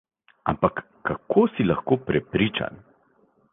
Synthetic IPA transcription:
a̰mpakːakʰoːsilaxkoːpɾɛpɾiːt͡ʃa̰n

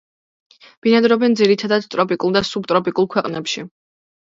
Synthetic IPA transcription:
b̥inad̪ɾɔbɛnd̪ziɾit̪ʰad̪ad̪t̪ʼɾɔpʼikʼulˠd̪asub̚t̪ʼɾɔpʼikʼulˠkʰwɛqʼnɛpʃi

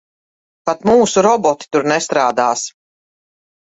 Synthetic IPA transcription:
pat̪muːsuɾɔbɔt̪i̥t̪uɾnɛst̪ɾaːd̪aːs

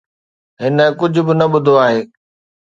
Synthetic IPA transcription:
ɦɪnkʊd͡ʑʱʊ̆bɪnɐɓʊd̪ʱoaːɦeː

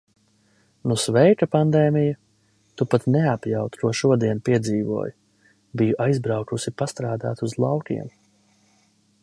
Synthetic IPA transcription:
nusvɛjkapand̪ɛːmija | t̪upat̪neapjawt̪k̪uɔʃuɔd̪iɛnpiɛd̪ziːvṵɔj | bijuʔajzbɾawkusipast̪ɾaːd̪a̰ːt̪uzlˠɑwkʲḭɛm

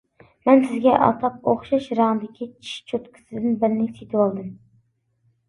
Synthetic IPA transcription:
mɛnsɪzɡʲɛʔɑ̰t̪ʰɑp̚oχʃɑʃɾɑŋɨd̪ɪkʲit͡ʃʰi̥ʃt͡ʃʰot̪kʰʲɪ̥sɪd̪ɪnbɪɾnɪset̪ʰɪwɑlˠd̪ɨm

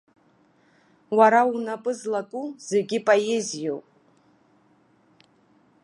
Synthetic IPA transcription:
waɾaunapʼɨzlakʼuz̥e̞ɡʲɪpʼojezijowpʼ

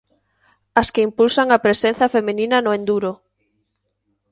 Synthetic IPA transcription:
ɐskeimpulsaŋɐpɾesen̟θɐfemininɐnʊend̪uɾo

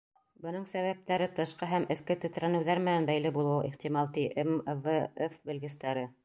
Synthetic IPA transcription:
bɤ̆nɤɴsæβæp̚t̪æɾɘt̪ɤ̆ʃqɤɦæmɘ̆skɘt̪ɘ̆t̪ɾænɘ̆wðæɾmɘ̆nænbæjlɘbulˠɤwḭχt̪imɑlˠt̪iʔemvɤefbɘ̆lɡɘ̆st̪æɾɘ

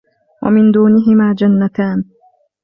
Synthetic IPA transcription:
wʔa̰mɪnd̪uːnɪɦɪmaːd͡ʒanːat̪aːn

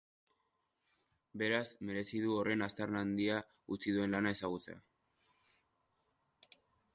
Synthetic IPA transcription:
be̞ɾazme̞ɾe̞siðuo̞re̞nast̪aɾnand̪ia | ut͡siðue̞nlanae̞saɣ̞ut͡se̞̰a̰

